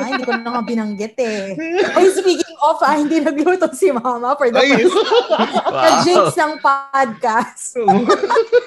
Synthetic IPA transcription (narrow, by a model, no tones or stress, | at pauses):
hɪnd̪iːkonɐŋabɪnɐŋɡɛt̪ɛɐjspiːkɪŋʔɔfɐhɪnd̪iːnɐɡ̚lut̪osimaːmɐfɔɹd̪ɐa | kɐd͡ʒĩŋsnɐŋpad̪̚kast̪